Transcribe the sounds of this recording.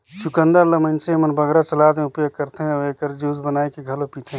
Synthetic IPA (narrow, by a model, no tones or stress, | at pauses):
t͡ʃukə̃nd̪əɾlɐmɐnt͡ʃemɐnbɐɡɾat͡ʃɐlaːd̪mẽʊpjoɡ̚kɐɾt̪ʰeɦeːkəɾd͡ʒuːzbənaːekeɡʱɐlopiːt̪ʰe